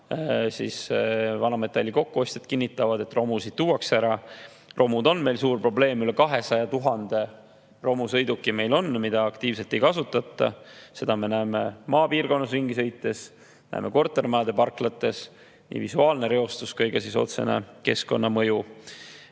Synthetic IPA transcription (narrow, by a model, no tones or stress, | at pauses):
sḭsvɑnɑme̞t̪ːˑɑlʲːiko̞kːuo̞sʲt̪ed̪̥kinʲːit̪ːˑɑvɑd̪e̞t̪ro̞musid̪̥̚t̪uːwɑksæɾɑ | rʔo̞mud̪o̞nːme̞lsuːrpro̞ble̞ːmylekɑɦe̞sɑjɑt̪uɦɑnd̪̥e̞ | ro̞musɤ̞jd̪ukːˑime̞jlo̞nːmid̪̥ɑːkt̪iːvse̞lt̪ːe̞jkɑsut̪ːˑɑt̪ˑːɑ̰se̞d̪̥ɑme̞næeːmemɑːpiːrɡo̞nːɑs̬riŋɡisɤ̞jt̪ːe̞s | næ̰emʔe̞̰ko̞rt̪ːˑe̞rmɑːd̪̥e̞pɑrklɑt̪ːˑe̞s | nḭːvisuɑːlne̞ɾe̞o̞st̪uskɤjɡ̥ɑsiso̞̰t̪se̞̰ne̞̰ke̞sko̞nːɑmɤju